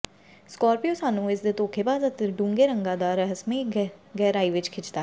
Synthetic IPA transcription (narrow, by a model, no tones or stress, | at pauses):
skɔːɾpioːsaːnũːɪsd̪eːt̪oːkʰeːpaːzət̪ːɖũːŋɡeːɾəŋɡãːd̪aːɾəɦəsmẽːɡɛːɾaːiːʋɪt͡ʃkʰɪt͡ʃt̪aː